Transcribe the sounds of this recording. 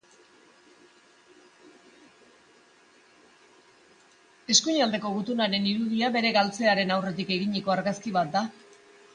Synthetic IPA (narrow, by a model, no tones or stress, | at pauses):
e̞skuɲald̪e̞ko̞ɣut̪unaɾe̞niɾuð̞iaβe̞ɾe̞ɣalt͡se̞aɾe̞nawre̞t̪ike̞ɣiɲiko̞aɾɣaskiβat̪̚d̪a